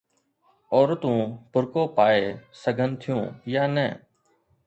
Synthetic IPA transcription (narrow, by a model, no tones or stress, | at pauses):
ɔːɾt̪ũːbʱʊɾkoːpaːeːsəɡʱənt̪ʰɪjṵ̃ːjaːnɛː